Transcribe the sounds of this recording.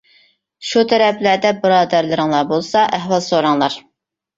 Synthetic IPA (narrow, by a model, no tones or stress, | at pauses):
ʃut̪ʰɛɾɛplæɾd̪ɛbɨɾɑːd̪æɾlˠɨɾɨŋlˠɑɾbolˠsɑʔæɦwɑlˠsoɾɑŋlˠɑɾ